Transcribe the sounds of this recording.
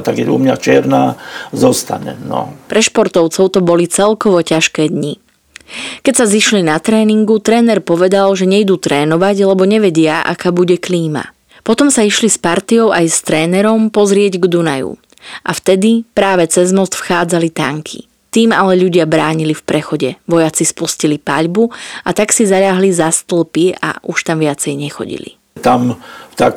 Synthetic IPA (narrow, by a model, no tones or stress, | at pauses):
t̪aɡɛṵmɲat͡ʃɪɛɾnazɔst̪a̰ɲɛ̰nɔ̰pɾɛʃpɔɾt̪ɔʊt͡sɔʊt̪ɔbɔlit͡sɛlkɔʋɔcaʃkɛːd̪ɲi | kɛcsaziʃlinat̪ɾɛːniŋɡut̪ɾɛːnɛɾpɔʋɛd̪alʒɛɲɛjd̪uːt̪ɾɛːnɔʋaɟlɛbɔɲɛʋɛɟɪaʔa̰kaːbuɟɛkliːma̰ | pɔt̪ɔmsaiʃlispaɾt̪iɔʊʔajst̪ɾɛːnɛɾɔmpɔzɾɪɛɟɡd̪una̰jṵ | ʔa̰ft̪ɛd̪ipɾaːʋɛt͡sɛzmɔst̪fxaːd͡zalit̪aŋkʰḭ | t̪iːmalɛʎuɟɪabɾaːɲilifpɾɛxɔɟɛʋɔjat͡sispuscilipa̰ʎbuat̪aksizaʎaɦlizast̪l̩ˠpia̰ʔuʃt̪amʋɪat͡sɛjɲɛxɔ̰ɟḭlḭ | t̪amt̪ak